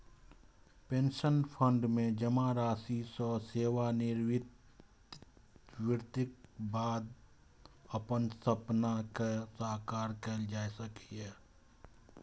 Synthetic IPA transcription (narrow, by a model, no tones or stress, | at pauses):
pẽːnʃənpʰə̃ɳɖmẽd͡ʒəmaɾaːsisɔseːwanɪɾwɪ | wɪɾt̪ɪk̚baːd̪ | əpənsəpnakesaːkaːɾkɛːld͡ʒaːesəkiɦɛː